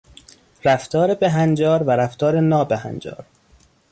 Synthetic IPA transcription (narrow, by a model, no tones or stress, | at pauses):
ɾæft̪ʰɒːɾebeɦænd͡ʒɒːɾvæɾæft̪ʰɒːɾenɒːbehæ̰nd͡ʒɒ̰ːɾ